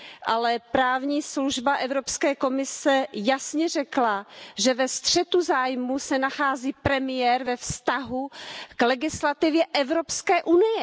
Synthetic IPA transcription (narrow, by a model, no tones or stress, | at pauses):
ʔalɛpɾaːvɲiːsluʒbaʔɛvɾopskɛːko̞mɪsɛjasɲɛrɛklaʒɛvɛst̪r̝̥ɛt̪uzaːjmusɛnaxaːziːpɾɛmɪjɛɾvɛfst̪aɦuklɛɡɪslat̪ɪvjɛʔɛvɾopskɛːʔunɪjɛ